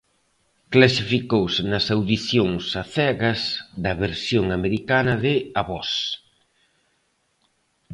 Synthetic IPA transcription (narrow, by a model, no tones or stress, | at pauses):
klasifikowsnɐsawðiθjoŋsaθɛɣɐzðɐβeɾsjoŋameɾikanɐðɪaβɔs